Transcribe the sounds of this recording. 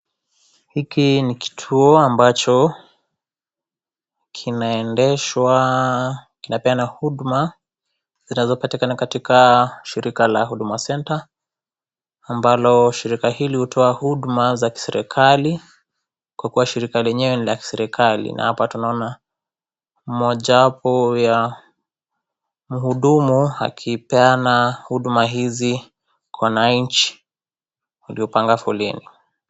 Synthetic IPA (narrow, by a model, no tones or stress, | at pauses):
hikiniki̥tʰuɔambat͡ʃɔ | kʰinaɛndɛʃwa | kinapɛanahuɗma | z̥inazɔpatikanakatikaʃiɾikalahuɗumasɛnta | mbalɔʃiɾikahilihutʰɔahuɗmazaki̥sɛɾʔɛ̰kʰali | kwakuwaʃiɾikalɛɲɛwɛnilaki̥sɛɾɛkʰalḭna̰hapatunaɔna | m̩mɔʄaapɔja | m̩huɗumua̰kʰipɛanahuɗumaɦizi | kwanaɲ̩t͡ʃi̥ | wuliɔpaŋɡafɔlḭni